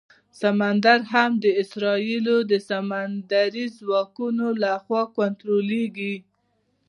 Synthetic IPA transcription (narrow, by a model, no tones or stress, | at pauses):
samand̪aɾɦamd̪əɪsɾɑilod̪əsamand̪aɾizwɑkunolaxwɑkant̪ɾoleɡi